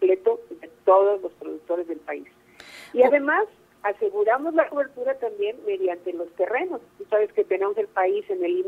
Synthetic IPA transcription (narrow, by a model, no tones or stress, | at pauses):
ple̞t̪o̞ðe̞t̪o̞ðo̞zlo̞spɾo̞ðuk̚t̪o̞ɾe̞zðe̞lpais | iaðe̞mas | ase̞ɣuɾamo̞zlako̞βe̞ɾt̪uɾat̪ambje̞nme̞ðjant̪e̞lo̞st̪e̞re̞no̞st̪usaβe̞sket̪e̞nemoselpaise̞ne̞li